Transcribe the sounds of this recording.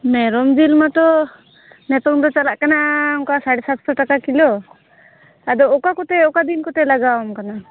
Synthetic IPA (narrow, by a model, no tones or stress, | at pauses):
mɛɾɔmd͡ʒilmat̪ɔ | nɛt̪ɔŋd̪ɔt͡ʃalaʔkanaɔŋkasaɽɛsat̪̚sɔʈakakilɔ | ad̪ɔɔkakɔt̪ɛɔkad̪inkɔt̪ɛlaɡamkana